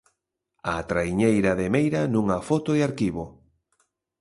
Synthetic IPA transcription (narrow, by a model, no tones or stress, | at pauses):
at̪ɾaiɲejɾaðemejɾanũŋafot̪oeaɾkiβo